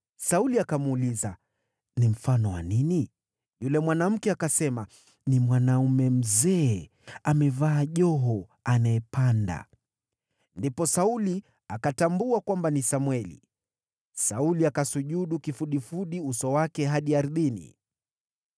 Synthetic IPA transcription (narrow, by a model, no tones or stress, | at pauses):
sauliakamuliza | nim̩fanɔwa̰nini | julɛmwanam̩kɛakasɛma | nimwanaumɛm̩zɛː | amɛvaːʄɔɦɔanaɛpanda̰ | ndipɔsauli | akatambuakwambanisamwɛlḭ | sauliakasuʄuɗukifuɗifuɗiusɔwakɛɦaɗiaɾðinḭ